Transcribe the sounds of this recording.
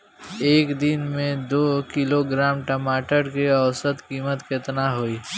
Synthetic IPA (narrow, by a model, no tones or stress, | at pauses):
eːkd̪ɪnmẽd̪oːkɪloɡɾaːmʈəmaːʈəɾkeɐwsət̪kiːmət̪kɪt̪naɦoːiː